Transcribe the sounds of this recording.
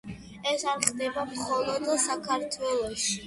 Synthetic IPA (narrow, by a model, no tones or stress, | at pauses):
ɛsanχd̪ɛbamχɔlˠɔd̪sakʰaɾt̪ʰwɛlˠɔʃi